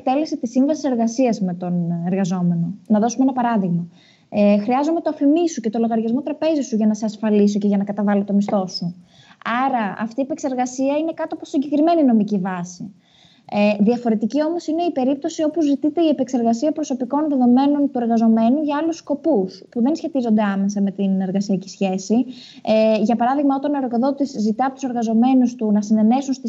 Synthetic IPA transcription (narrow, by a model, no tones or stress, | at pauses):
k̚t̪e̞lesit̪isːiɱvɐsi̥se̞ɾɣɐsiɐzme̞t̪o̞ne̞ɾɣɐzo̞me̞no̞nɐðo̞sumeenɐpɐɾɐðiɣmɐ | xɾiɐzume̞t̪oɐfimisuce̞t̪o̞lo̞ɣɐɾʝɐzmo̞t̪ɾɐpe̞zisuʝɐnɐseɐsfɐliso̞ce̞ʝɐnɐkɐt̪ɐvɐlot̪o̞mist̪o̞su | ɐɾɐɐ̰ft̪iepe̞kse̞ɾɣɐsiɐine̞kɐt̪oɐposiɲɟe̞kɾime̞nino̞micivɐsi | ðiɐfo̞ɾe̞t̪icio̞mo̞sine̞ipe̞ɾip̚t̪o̞sio̞pozzit̪it̪e̞iepekse̞ɾɣɐsiɐpɾo̞so̞piko̞nðe̞ðo̞me̞no̞nt̪ue̞ɾɣɐzo̞me̞nuʝɐɐlusko̞puspuðe̞nsçe̞t̪izo̞nd̪eɐme̞sɐme̞t̪ine̞ɾɣɐsiɐcisçe̞si | ʝɐpɐɾɐðiɣmɐo̞t̪ɐneɾoɣoðo̞t̪izzit̪ɐɐpot̪use̞ɾɣɐzo̞me̞nust̪unɐsine̞ne̞sunst̪i